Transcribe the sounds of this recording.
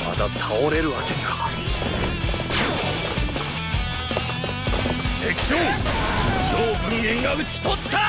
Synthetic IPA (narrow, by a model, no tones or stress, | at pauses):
ma̰t̪at̪ʰaoɾe̞ɾɯ̟βakeɲa | t̪ekʲi̥so | t͡ɕoːbɯŋẽŋ̃jaɡɯt͡ɕi̥t̪ot̪ʰːa